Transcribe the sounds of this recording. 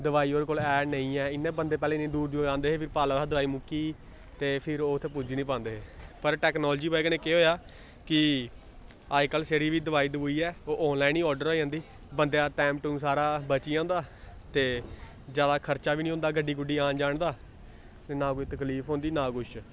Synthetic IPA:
d̪əʋaːiːoːɾekoːlɛːnəĩːɛːɪnːẽːbənd̪eːp̬ɛːlẽːnẽːd̪uːɾd̪ijõːd͡ʒãːnd̪eːɦeːpʰɪɾpaːlaːaːd̪əʋaːiːmʊkːiː | t̪eːpʰɪɾoːt̪ʰːeːpud͡ʒiːnĩːp̬ãːnd̪eːɦeːpəɾʈɛːknɔːlːd͡ʒiːbaːiɡnẽːkeːɦoːjaː | kɪ | aːkəlseːɾiːʋiːd̪əʋaːiːd̪əʋːiːɛːoːʔɔːnlaːinĩːɔːɾɖəɾoːiãːnd̪iː | bənd̪ejaːʈɛ̃ːmʈuːnsaːɾaːbət͡ʃiːãːnd̪aː | t̪eː | d͡ʒjaːd̪aːkʰəɾt͡ʃaːʋiːnĩːõːnd̪aːɡəɖiːɡʊɖiːãːnd͡ʒaːɳd̪aː | t̪eːnãːkoit̪əkliːfʰɦõːnd̪iːnãːkʊʃ

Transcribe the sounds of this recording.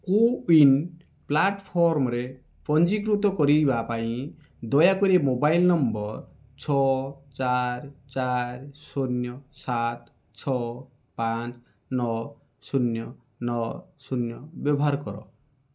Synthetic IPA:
kuin | plaʈpʰɔɾmɔɾe | pɔnd͡ʒikɾut̪ɔkɔɾibapaĩ | d̪ɔjakɔɾemobajlnɔmbɔɾ | t͡ʃʰɔt͡ʃaɾt͡ʃaɾsonjɔsat̪ | t͡ʃʰɔ | pant͡ʃ | nɔ | sunjɔ | nɔsunjɔbjɔbʱɔɦaɾkɔɾɔ̰

